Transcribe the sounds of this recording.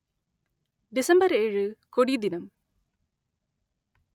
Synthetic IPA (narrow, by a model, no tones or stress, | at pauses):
ɖisɐmbɐɾeːɻɨkoɽid̪inɐm